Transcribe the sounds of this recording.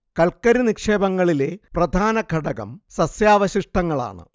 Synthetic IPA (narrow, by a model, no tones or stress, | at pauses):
kɐɭkɐɾinikʂe̞ːbɐŋːɐɭile̞prɐd̪ʱaːnɐɡʱɐɽɐɣɐ̰msɐsjaːʋɐɕiʂʈɐŋːɐɭa̰ːɳɨ̰